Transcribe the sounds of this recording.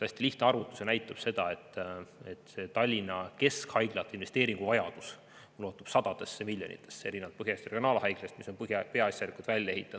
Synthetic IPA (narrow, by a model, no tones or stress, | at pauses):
t̪æsʲt̪iliht̪neɑɾut̪ːˑu̥senæjt̪ːˑub̥se̞d̪̥ɑe̞t̪ːˑet̪ːset̪ɑlʲːinɑke̞skhɑjɡ̥lɑt̪ːˑinve̞st̪e̞ːɾiŋɡ̥uvɑjɑd̪̥us | mulo̞ːt̪ːˑub̥sɑd̪̥ɑd̪̥e̞sːemilʲːjo̞nḭt̪ːˑe̞̥sːeeɾineɑt̪pɤɦjɑst̪reɡjo̞nɑːlhɑjɡ̥lest̪miso̞npɤhjpeɑɑsʲjɑlikult̪vælʲjɑe̞ɦit̪ːˑɑd̪̥